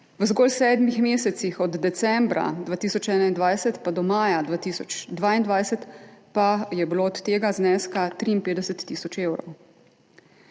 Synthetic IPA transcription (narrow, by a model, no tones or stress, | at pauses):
wəzɡɔlsɛːd̪mixmeːsɛt̪sixɔd̪ːɛsɛmbɾa̰d̪ʋaːt̪iːsɔt͡ʃɛːnaind̪ʋajsɛt̪pad̪ɔmaːjad̪ʋaːt̪iːsɔt͡ʃd̪ʋaːind̪ʋaːjsɛt̪pajɛbiloːɔt̪ːeːɡaznɛskat̪ɾiinpeːd̪ɛsɛt̪ːiːsɔt͡ʃeːwɾɔ̰w